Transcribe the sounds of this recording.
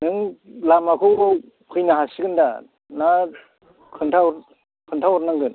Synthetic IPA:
nɯŋlamakʰɯw | kʰɯjnaɦasiɡɯnda | na | kʰɯntʰawɾ | kʰɯntʰawɾnaŋɡɯn

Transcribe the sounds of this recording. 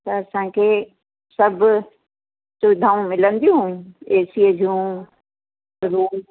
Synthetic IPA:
t̪ɐɐsãkʰeː | sɐbʱʊ | sʊɪd̪ʱaːũmɪlə̃nd̪ijũeːsiəd͡ʑũ | ɾuː

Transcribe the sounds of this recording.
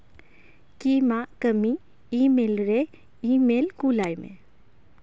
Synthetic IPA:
kiːmakəmi | iːmeːlɾe | iːmeːlkulaːjmḛ̃

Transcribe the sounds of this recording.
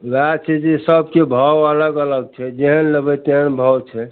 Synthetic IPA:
wat͡ʃʰɛd͡ʒesəbʱkebʱəwələɡələɡ̚t͡ʃʰɛd͡ʒeɦənləbət̪enbʱəwt͡ʃʰɛ

